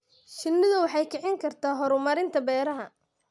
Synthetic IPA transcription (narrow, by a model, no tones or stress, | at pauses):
t͡ʃɪnːɪðɐwɑħɑjkʰɛʕɪŋkʰɐrt̪ʰaːɦɔɾʊmɐɾɪnt̪ʰɐbɛːɾɐɦɐ